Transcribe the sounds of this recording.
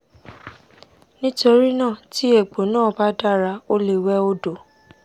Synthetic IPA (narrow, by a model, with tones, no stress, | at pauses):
nĩ˦to˧ɾi˦nã˦˨ti˦e˨ɡ͡bo˨nãː˦˨ba˦da˦˨ɾa˧o˦le˨wɛ˦o˦do˨